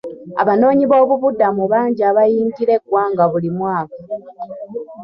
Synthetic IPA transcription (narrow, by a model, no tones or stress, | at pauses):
a̰βano̞ːɲiβo̞ːβuβudːamuβaːɲɟiaβajiːntiɾe̞ɡwaːŋɡaβulimwaːka